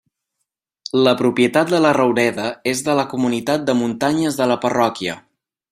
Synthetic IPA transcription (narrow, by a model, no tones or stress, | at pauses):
ləpɾupiət̪at̪̚d̪ələrəwɾɛðəezðələkumunit̪at̪̚d̪əmunt̪aɲəzðələpərɔkiə̰